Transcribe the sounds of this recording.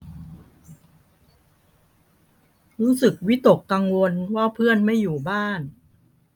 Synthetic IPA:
ɾuː˦˥sɯ˨˩k̚wi˦˥t̪o˨˩kːa˧ŋwo˧nwaː˥˩pʰɯ˥˩ənma˥˩jːuː˨˩baː˥˩n

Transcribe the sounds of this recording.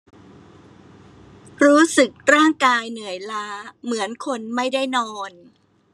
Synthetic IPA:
ɾuː˦˥sɯ˨˩k̚ɾaː˥˩ŋkaː˧jnɯ˨˩˦əjlaː˦˥mɯ˩˦ənkʰo˧nma˥˩jda˥˩jnɔː˧n

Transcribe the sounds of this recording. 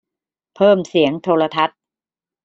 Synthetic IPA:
pʰɤː˥˩msi˩˦əŋt̪ʰoː˧la˧t̪ʰa˦˥t̪̚

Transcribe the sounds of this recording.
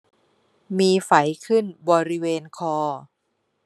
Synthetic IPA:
miː˧fa˩˦jkʰɯ˥˩nbɔː˧ɾi˦˥weː˧nkʰɔː˧

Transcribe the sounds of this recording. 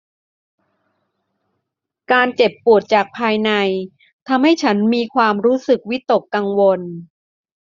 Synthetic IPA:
kaː˧nt͡ɕe˨˩pːu˨˩ət̪̚t͡ɕaː˨˩k̚pʰaː˧jna˧j | t̪ʰa˧mha˥˩jt͡ɕʰa˦˥nmiː˧kʰwaː˧mɾuː˦˥sɯ˨˩k̚wi˦˥t̪o˨˩kːa˧ŋwo˧n

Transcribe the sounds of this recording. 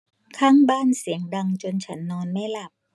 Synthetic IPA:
kʰaː˥˩ŋbaː˥˩nsi˨˩˦əŋda˧ŋt͡ɕo˧nt͡ɕʰa˦˥nːɔː˧nːa˥˩jla˨˩p̚

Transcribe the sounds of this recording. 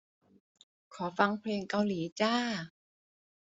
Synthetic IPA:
kʰɔː˩˦fa˧ŋpʰleː˧ŋka˧wliː˩˦t͡ɕaː˥˩

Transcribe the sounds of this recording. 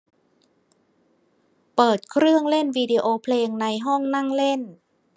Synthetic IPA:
pɤː˨˩t̪̚kʰɾɯ˥˩əŋle˥˩nwiː˧di˧ʔoː˧pʰleː˧ŋna˧jɦɔ˥˩ŋna˥˩ŋle˥˩n

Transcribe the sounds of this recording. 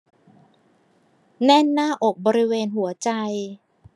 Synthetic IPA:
nɛ˥˩nːaː˥˩ʔo˨˩k̚bɔː˧ɾi˦˥weː˧nɦu˩˦ɐt͡ɕa˧j

